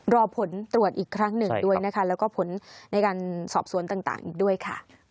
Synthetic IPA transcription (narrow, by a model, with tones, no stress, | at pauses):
ɾɔː˧pʰo˩˦nt̪ɾu˨˩ət̪̚ʔiː˨˩kʰɾa˦˥ŋnɯ˨˩du˥˩əjna˦˥kʰa˦˥lɛː˦˥wkɔː˥˩pʰo˩˦nːa˧jkaː˧nsɔː˨˩p̚su˨˩˦ənt̪aː˨˩ŋt̪a̰ː˨˩ŋʔiː˨˩k̚du˥˩əjkʰa˥˩